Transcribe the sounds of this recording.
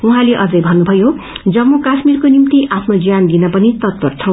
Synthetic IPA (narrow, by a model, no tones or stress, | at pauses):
uɦãleʔʌd͡zʌjbʱʌnːubʱʌjo | d͡zʌmːokasmirkonimt̪iʔʔapʰnod͡zijand̪inʌpʌnit̪ʌt̪̚pʌrt͡sʰʌw̃